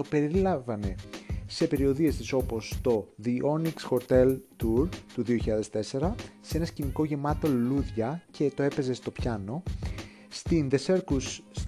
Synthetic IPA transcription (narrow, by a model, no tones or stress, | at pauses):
to̞pe̞ɾilɐvɐne̞se̞pe̞ɾio̞ðie̞st̪iso̞po̞st̪o̞ðiʔo̞niksxo̞ɾt̪e̞lt̪uɾt̪uðioçiʎɐðe̞st̪e̞se̞ɾɐsee̞nɐsciniko̞ʝe̞mɐt̪o̞luðʝɐcʰe̞t̪o̞e̞pe̞ze̞st̪o̞pçɐno̞ | st̪inðe̞se̞ɾkus